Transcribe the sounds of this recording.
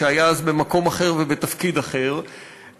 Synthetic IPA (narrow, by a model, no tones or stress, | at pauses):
eajaazbemako̞maχe̞ʁvebet̪afkid̪aχe̞ʁ